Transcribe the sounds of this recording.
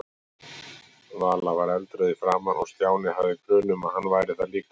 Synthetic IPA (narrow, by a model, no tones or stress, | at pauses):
vaːlavaɾɛlt̪ɾœðɪfɾaːmanʔɔ̰ɣst̪jaːwnɪɦavðɪkʰɾœːnʏmaðhanːvaːjɾɪθaliːka